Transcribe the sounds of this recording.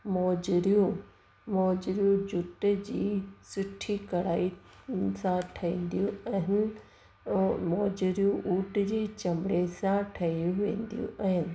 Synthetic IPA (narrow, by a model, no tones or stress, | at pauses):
mɔːd͡ʑɾijũ | mɔːd͡ʑɾijũd͡ʑʊʈd͡ʑiːsʊʈʰikɐɽaːi | sãʈʰɐĩːn̆d̪ijũɐɦɪnɪ̆ | mɔːd͡ʑɾijũʔuːʈd͡ʑeːt͡ɕɐmɪɽesãʈʰɐijũʋḛ̃ːn̆d̪ijṵ̃ʔɐɦɪnɪ̆